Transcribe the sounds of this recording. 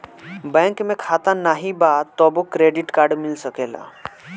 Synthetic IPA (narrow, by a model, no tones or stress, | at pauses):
bɛ̃ŋkmekʰat̪anːaɦibat̪ːɔbokːɾeɖiʈkaɾɖmilsəkela̰